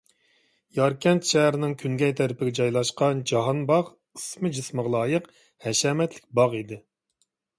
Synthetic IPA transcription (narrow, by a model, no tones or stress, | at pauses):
jɑɾkʲʰɛnt̪ʃɛɦæɾɪnɪŋkʲʰyŋɡʲɛjt̪ʰæɾɪpʰɪɡʲɛd͡ʒɑjlˠɑʃqɑnd͡ʒɑɦɑnbɑʁ | ɨsmɨd͡ʒisməʁlˠɑːjəq | hɛʃɛːmɛt̪ʰlɪk̚ʲbɑʁid̪ɪ